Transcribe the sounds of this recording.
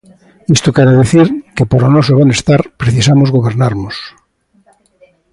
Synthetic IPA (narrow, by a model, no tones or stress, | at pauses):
est̪okeɾeðeθiɾkepoɾonosoβenest̪aɾpɾeθisamozɣoβeɾnaɾnos